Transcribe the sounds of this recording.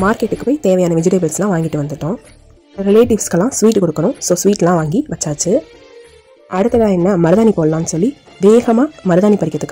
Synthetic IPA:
maːɾkeʈːɯkːɯpoːɪt̪eːʋɐjaːnɐʋɪd͡ʒɪʈeːbɪlslãːʋaːŋɡɪʈːɯʋɐnd̪ɯʈːʊ̃ː | ɾɪleːʈɪʋskɐlːãːsʋiːʈːɯkɔɽɯkːɐɳʊ̃soːsʋiːʈːlãːʋaːŋɡiʋɐt͡ʃːaːt͡ʃːɯ | ʔɐɽɯt̪ːɐðãːɛnːɐmɐɾɯðaːnipoːllãːnːɯsɔlːi | ʋeːɣɐmaːmɐɾɯðaːnipɐɽɪkːɐðɯkː

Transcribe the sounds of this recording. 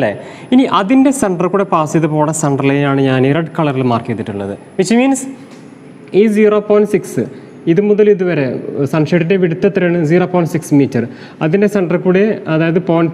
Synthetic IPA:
ɐlːḛ | iniʔɐðinde̞sɐɳɖɐrkuːɽe̞paːsijɐðɨpo̞ːɽɐsɐɳɖɐrlejilaːɳɨɲaːniɾɐɖkɐɭɐrilmaːrkiɐt̪ːiʈːuɭːɐ̰ðɨ̰ | ʋit͡ɕːɐmiːns | iːziːro̞ːpoːjinɖsiksɨ | iðɨmuðɐliðuʋɐɾe̞sɐɳʂeʈːinde̞ʋiɽut̪ːɐt̪ːɐɾɐɳɨziːroːpoːjnɖsiksmiːtːɐr | ɐðindesɐɳɖɐrkuːɽeɐðaːjɐðɨpoːjinɖ

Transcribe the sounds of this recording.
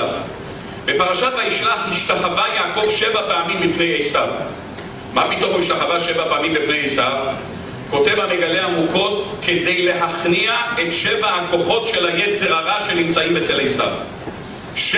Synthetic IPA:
aχ | be̞paʁaʃathaiʃlaχhiʃtaχavajaːko̞vʃevapeamimlifne̞jejsav | mapito̞miʃt̪aχavaʃevapeamimbifnejejsav | ko̞te̞vameɡaleamuko̞tkʰe̞d̪e̞jle̞ɦaχniaetʃevaako̞χo̞tʃe̞lajet͡se̞ʁaʁaʃenimt͡saimet͡selejsa̰v | ʃ

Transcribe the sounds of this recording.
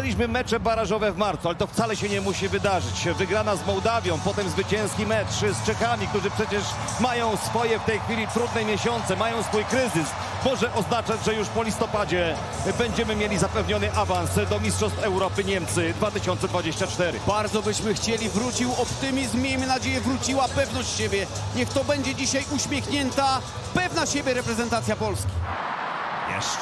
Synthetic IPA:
ɛlʲiɕmɘmɛt͡ʂɛbaɾaʐɔvɛvmaɾt̪sualɛt̪ɔft̪salɛɕɛɲɛmuɕivɘd̪aʐɘt͡ɕvɘɡɾanazmɔwd̪avʲjɔ̃w̃pɔt̪ɛmzvɘt͡ɕɛ̃w̃skʲimɛt͡ʂʂst͡ʂɛkamʲik̚t̪uʐɘpʂɛt͡ɕɛʂ | majɔ̃w̃sfɔjɛft̪ɛjxfʲilʲit̪ɾud̪nɛmʲjeɕɔnt̪sɛmajɔ̃w̃sfujkɾɘzɘs | mɔʐɛʔɔznat͡ʂad͡ʑʐɛjuʂpɔlʲist̪ɔpad͡ʑɛ | bɛɲd͡ʑɛmɘmʲjelʲizapɛvɲɔnɘʔavansd̪ɔmʲistʂɔst̪fɛwɾɔpɘɲɛmt̪sɘd̪vat̪ɘɕɔnt̪sɛd̪vad͡ʑeɕt͡ɕat͡ʂt̪ɛɾɘ̰baɾd̪zɔbɘɕmɘxt͡ɕelʲivɾut͡ɕiwɔpt̪ɘmʲizmːʲjejmɘnad͡ʑejɛvɾut͡ɕiwapɛvnɔɕt͡ɕɕebʲjɛ | ɲɛxt̪ɔbɛɲd͡ʑɛd͡ʑiɕajuɕmʲjexɲɛnt̪a | pɛvnaɕebʲjɛɾɛpɾɛzɛnt̪at̪sʲjapɔlskʲi | ɛ̰

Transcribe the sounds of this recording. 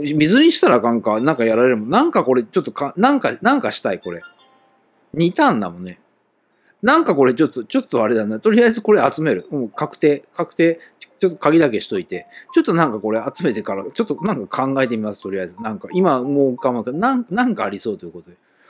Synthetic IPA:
mʲizɨɲ̟iɕi̥t̪aɾakãŋkanãŋkajaɾaɾe̞ɾɯ̟monnãŋkako̞ɾe̞t͡ɕo̞t̪ːo̞kãnãŋkanãŋkaɕi̥t̪aiko̞ɾe̞ | ɲ̟it̪ãnd̪a̰mõ̞nːe̞ | nãŋkako̞ɾe̞t͡ɕo̞t̪ːo̞t͡ɕo̞t̪ːo̞aɾe̞d̪anːat̪o̞ɾʲiaizɨko̞ɾe̞at͡sɨme̞ɾɯ̟ɯ̃kakɯ̟̥t̪e̞ːkakɯ̟t̪e̞ːt͡ɕo̞t̪ːo̞̥kaɡʲid̪ake̞ɕi̥t̪o̞it̪e̞t͡ɕo̞t̪ːo̞nãŋkako̞ɾe̞at͡sɨme̞t̪e̞kaɾat͡ɕo̞t̪ːo̞nãŋkakʰãŋɡaet̪̬e̞mʲimasɨ̥t̪o̞ɾʲijazɨnãŋkaimamoːɯkãmakenãŋnãŋkaːɾʲiso̞ːt̪o̞jiɯ̟ko̞t̪o̞d̪e

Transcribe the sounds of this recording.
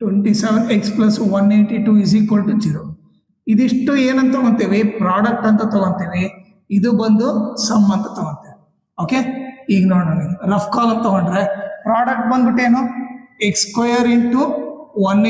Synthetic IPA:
ʈweɳʈiseʋeneksplɐsʋɐnːeːɳʈiʈuːis̬iːkolʈut͡ʃiɾo | id̪iʂʈueːnɐnt̪ɐɡɐnt̪eːʋipɾaːɖɐk̚ʈɐnt̪ɐt̪ɐɡɐnt̪eːʋi | id̪ubɐnd̪usɐmːɐnt̪ɐt̪oɡɐnt̪ei | oːkeiːɡɐnoːɽɐnilɐfkaːlɐnt̪ɐɡɐɳɖɾepɾaːɖɐk̚ʈ̚bɐnd̪biʈːeːnuːekskwɐjɐɾiʈuʋɐn

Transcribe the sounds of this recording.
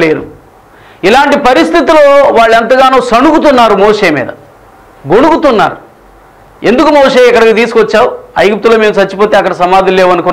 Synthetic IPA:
leːɾṵ | ilaːɳʈipɐɾist̪ʰit̪iloːʋaːɭːɐnt̪̬ɐɡaːnuːsɐɳukut̪unːaːɾumoːʂeːmḭːd̪ɐ | ɡo̞ɽukut̪unːa̰ːɾu | e̞nd̪ukumoːʂeːɛkːɐɽɐɡiːt̪iːsukʋɐt͡ʃːaːwuɐ̰jɡup̚t̪uloːmeːmut͡ʃɐt͡ʃːipo̞ːt̪e̞ːɐkːɐɽɐsɐmaːd̪ʱɐleːʋɐnuku

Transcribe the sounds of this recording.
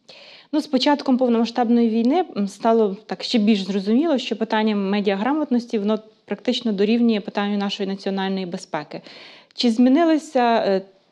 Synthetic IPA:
nuspɔt͡ʃɑt̪kɔmpɔwnɔmɐʃt̪ɑbnɔjiʋʲijnɪst̪ɑlˠɔt̪ɑkʃt͡ʃɛbʲilʲʒzrɔzʊmʲilˠɔʃt͡ʃɔpɪt̪ɑnʲːɐːɛdʲiɐɦɾɑmɐt̪nɔsʲtʲiʋɔnɔ | pɾɐkt̪ɪt͡ʃnɔd̪ɔɾʲiwnʲijɛpɪt̪ɑnʲːʊnɑʃɔjinɐt͡sʲiɔnɑlʲnɔjibespɛkɪt͡ʃɪzmʲinɪlˠɪsʲɐ

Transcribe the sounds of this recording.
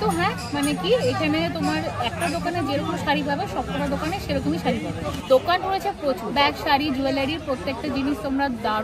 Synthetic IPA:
t̪oɦɛ̃ | manekiekʰanet̪omaɾɛk̚ʈad̪okaned͡ʑeɾɔkomʃaɾibʱabeʃɔb̚kʰɔʈad̪okaneʃeɾot̪̬umiʃaɾibʱabed̪okanɾoet͡ɕʰepɾot͡ɕuɾbɛkʃaɾid͡ʑuelaɽiɾpɾot̪ːek̚ʈad͡ʑiniʃt̪omɾad̪a

